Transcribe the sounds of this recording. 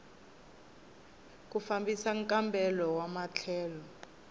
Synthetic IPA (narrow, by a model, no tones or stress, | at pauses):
k̬ufambisaŋkʼambʱɛlɔwamat͡ɬʰɛːlɔ